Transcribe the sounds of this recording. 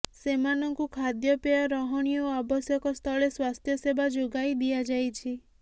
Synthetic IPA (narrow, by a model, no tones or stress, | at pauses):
semanɔŋkukʰad̪jɔpeaɾɔɦɔɽ̃ijɔabɔsjɔkɔst̪ʰɔɭeswast̪ʰjɔsebad͡ʒoɡajd̪iad͡ʒajt͡ʃʰi